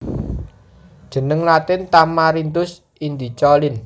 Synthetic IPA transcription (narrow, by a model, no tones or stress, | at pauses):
d̥ʒ̥ə̤nəŋlat̪ɪnt̪amaɾint̪ʊs | ind̪it͡ʃɔlɪn